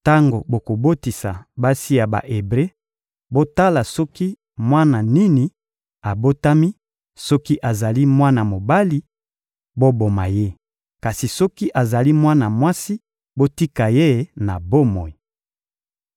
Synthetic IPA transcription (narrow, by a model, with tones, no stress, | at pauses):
ta˦ŋɡo˨bo˨ko˨bo˦ti˨sa̰˨ba˦si˦ja˨ba̰˨ʔe˨bʁe˦ | bo˦ta˦la˨sɔ˦ki˦ | mwa˦na˨ni˦ni˨ | a˨bo˦ta˦mi˦ | sɔ˦ki˦ʔa˨za˨li˦mwa˦na˨mo˨ba˦li˦ | bo˦bo˨ma˨je˦ | ka˨si˨sɔ˦ki˦ʔa˨za˨li˦mwa˦na˨mwa˦si˦ | bo˦ti˦ka˨je˦na˨bo˦mɔ˨i˨